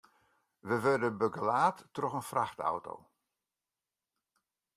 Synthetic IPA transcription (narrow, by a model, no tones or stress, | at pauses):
ʋəʋødəbəɡəlaːtːrɔɣənfraxta̰wto̰w